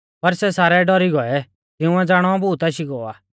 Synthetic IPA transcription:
pɐɾsɛsaːɾɛɖɔɾiɡɔɛ | t̪ɪʊ̃ɛ̃d͡zaːɽ̃ɔbuːt̪aʃiɡɔːa̰ː

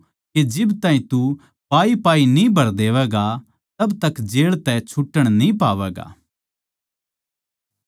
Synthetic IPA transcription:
ked͡ʒɪbt̪aːɦĩt̪u | paːipaːinĩbʱɐɾd̪eːʋɛːɡa | t̪ɐbt̪ɐkːd͡ʒeːɭt̪ɛt͡ʃʰʊʈːəɽ̃nĩpaːʋɛːɡa̰ː

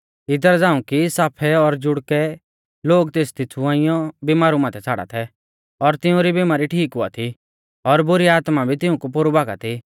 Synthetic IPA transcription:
ɪd̪əɾd͡zaːũkisaːpʰɛɔɾd͡ʒʊɽkɛ | loːɡt̪eːst̪ɪt͡sʰuãːɪ̃jɔbimaːɾumaːt̪ʰɛt͡sʰaːɽa̰t̪ʰɛ | ɔɾt̪ɪũɾibiːmaːɾiʈʰiːkɦʊa̰t̪ʰi | ɔɾbʊɾiaːt̪mabʱit̪ɪũkupoɾubaːɡa̰t̪ʰi

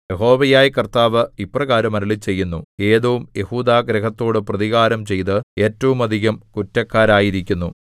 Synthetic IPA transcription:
je̞ɦo̞ːʋɐjaːjikɐrt̪aːʋɨiprɐɣaːɾɐmɐɾɐɭit͡ɕe̞jːunːue̞ːðɐʋumje̞huːd̪aːɡɾɐɦɐt̪ːo̞ːɽɨprɐðiɣaːɾɐmt͡ɕe̞jt̪ɨe̞ːtːɐʋumɐd̪ʱiɣɐmkutːɐkːaːɾaːjiɾikʲːunːu

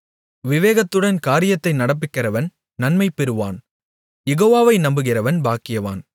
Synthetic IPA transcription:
ʋɪʋeːɣɐt̪ːɯɽɐnkaːɾɪjɐt̪ːɐɪnɐɽɐp̬ːɪkːɪɾɐʋɐn | nɐnmɐɪpːɛɾɯʋaːn | jɛɣoːʋaːʋɐɪnɐmbɯɣɪrɐʋɐnbaːkːɪjɐʋa̰ːn

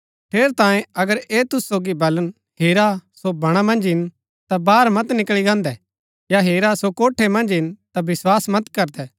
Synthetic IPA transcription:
ʈʰeːɾt̪ãːjẽɐɡəɾeːt̪ʊsːoːɡibɐlən | ɦeːɾasobɐɽ̃amɐ̃nd͡ʒɦɪn | t̪abaːɾmɐt̪nɪkɭiɡãːnd̪ɛ | jaɦeːɾasokoːʈʰemɐ̃nd͡ʒɦɪnt̪abɪswaːsmɐt̪kɐɾd̪ɛː

